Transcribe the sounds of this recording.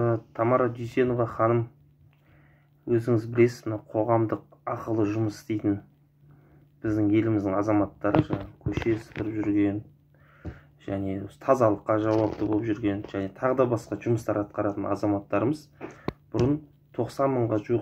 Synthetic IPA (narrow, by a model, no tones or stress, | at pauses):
t̪ʰɑmɑɾɑd̪ysʲe̞no̞vɑχɑnəm | wɵzɪŋɪzbɪle̞sɪzmɪnɑwqʰo̞ʁɑmd̪əq̚ɑqəlˠəʒʊməsɪst̪e̞jt̪ɪn | b̥ɪzd̪ɪŋe̞lɪmɪzd̪ɪŋɑzɑmɑt̪ːɑɾəʒɑɴɑəkʲʰɵʃe̞sə̥qəɾəpʒʏɾɡʲe̞n | ʒ̥æne̞t̪ʰɑzɑlˠəqːɑʒɑwɑp̚t̪əbolˠəpʒʏɾɡʲe̞nʒæne̞t̪ʰɑʁəd̪ɑbɑsqɑʒʊməst̪ɑɾɑt̪̚qɑɾɑt̪ənɑ̰zɑmɑt̪ːɑɾəməzb̥ʊɾən | t̪ʰo̞qsɑnməɴʁɑʒuəq